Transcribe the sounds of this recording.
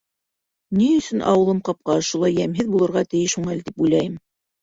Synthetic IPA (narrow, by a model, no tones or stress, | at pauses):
niɵ̆sɵnʔɑ̰wɤ̆lˠɤmqɑp̚qɑʃulˠɑjːæmɦɘðbulˠɤ̆ɾʁɑt̪ɘ̆jɘʃhuɴælt̪ipujlæjɘm